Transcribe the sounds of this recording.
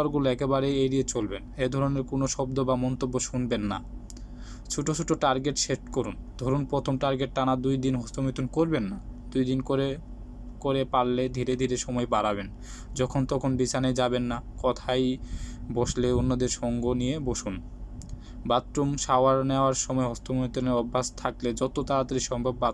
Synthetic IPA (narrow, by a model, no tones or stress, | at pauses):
aɾɡuloɛkebaɾeeɾiet͡ɕolbened̪ʱɔɾoneɾkonoʃɔb̚d̪obamɔnt̪obːoʃunbenːa̰ | t͡ɕʰuʈot͡ɕʰuʈoʈaɾɡeʈʃeʃʈkoɾund̪ʱɔɾunpɾot̪ʰomʈaɾɡeʈːanad̪ujd̪inɦost̪ʰomit̪unkoɾbenːad̪̥ujd̪inkoɾe | koɾepalled̪ʱiɾed̪ʱiɾeʃɔmɔebaɾaben | d͡ʑɔkʰont̪ɔkʰonbit͡ɕaned͡ʑabenːakɔt̪ʰajboʃleonːod̪eɾʃɔŋɡonijeboʃun | bat̪ːɾumʃaoaɾneoaɾʃɔmɔeɦɔst̪omit̪oneɾɔbʱːast̪ʰakled͡ʑɔt̪ot̪aɾat̪aɾiʃɔŋbʱabːa